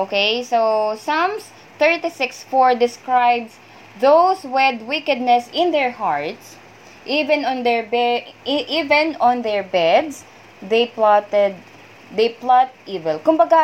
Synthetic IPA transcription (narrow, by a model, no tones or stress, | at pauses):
ʔokejsosʌ̃ms | θɛɹt̪isɪksfɔɹd̪ɪskɹajbs | ðowswɛd̪wɪkɛd̪̚nɛsɪ̃nd̪ɛɹhaɹt̪s | ʔivɛ̃nɔ̃nd̪ɛɹbɛʔivɛ̃nɔ̃nd̪ɛɹbɛd̪s | d̪ejplat̪ɛd̪̚ | d̪ejplɔt̪̚ʔiːvɛlkʊmbɐɡa